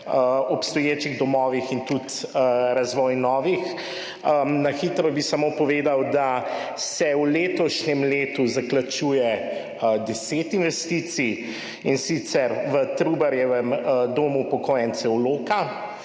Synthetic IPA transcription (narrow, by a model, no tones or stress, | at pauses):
əɔpst̪ɔjeːt͡ʃiɣd̪ɔmɔːʋixint̪ut̪əɾazʋɔːjnɔːʋix | naxiːt̪ɾɔbisamoːpɔʋeːd̪awd̪asɛwleːt̪ɔʃɲɛmleːt̪uzaklat͡ʃujɛ | əd̪ɛseːt̪inʋɛst̪iːt̪si | insit̪sɛɾʋət̪ɾubaɾjɛʋɛmd̪oːmupɔkoːjɛnt̪sɛwloːka